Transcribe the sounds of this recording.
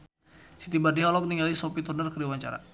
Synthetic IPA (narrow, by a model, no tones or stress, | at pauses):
sit̪ibardiaɔlɔk̚niŋalisɔpit̪ɔrnərkəɾiwaɲt͡ʃa̰ɾa̰